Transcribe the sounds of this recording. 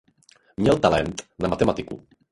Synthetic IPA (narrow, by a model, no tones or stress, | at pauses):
mɲɛlt̪alɛnt̪namat̪ɛmat̪ɪkṵ